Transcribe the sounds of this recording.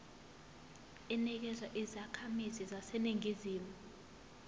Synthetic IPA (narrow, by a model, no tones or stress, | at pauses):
ɛnik̬ɛzwaʔizakʰamizizasɛniŋiziːmu